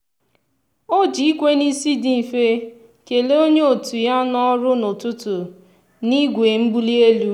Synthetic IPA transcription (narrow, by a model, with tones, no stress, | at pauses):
o˦d͡ʒi˨i˦kʷe˦ni˦si˦di˦˨fe˦ | ke˨le˦o˦ɲe˦o˨tu˨ja˦nɔ˦ɾʊ˦no˨tʊ˦tʊ˨ | ni˦ɡʷe˨m̩˦bu˦li˦e˦lu˦